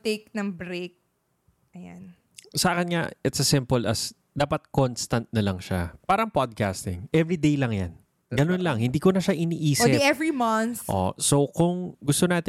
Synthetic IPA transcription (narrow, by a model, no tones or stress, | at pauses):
t̪ek̚nɐŋbɾek̚ | ʔɐja̰n | sɐʔaːkɛnŋaʔɛt̪sɐsɪmpolɐ̰s | d̪aːpɐt̪̚konst̪ɐnt̪̚nɐlɐŋʃapaːɾɐŋpad̪̚ka̰st̪ɪ̰ŋʔɛvɹid̪ejlɐŋja̰n | ɡɐnonlɐŋhɪnd̪iːkonɐʃaʔɪniːʔiːsɪɛvɹimɐnʔo̰sokʊŋɡʊst̪onaːt̪ɪ